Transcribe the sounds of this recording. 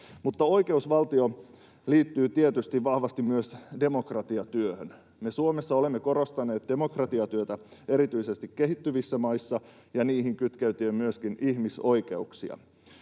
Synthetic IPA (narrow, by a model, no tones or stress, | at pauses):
mut̪ːɑo̞ike̞usʋɑlt̪io | liːt̪ːyːt̪iet̪yst̪iʋʋɑhʋɑst̪immyøsde̞mo̞krɑt̪iɑt̪yøhøn | me̞suomesːɑolemːeko̞ɾo̞st̪ɑne̞ːt̪̚de̞mo̞krɑt̪iɑt̪yøt̪æe̞ɾit̪yise̞st̪ikːe̞ɦit̪ːyʋisːæmɑisːɑ | jɑniːɦiŋkyt̪kæyt̪iːmmyøskinihmiso̞ike̞̰uksḭɑ̰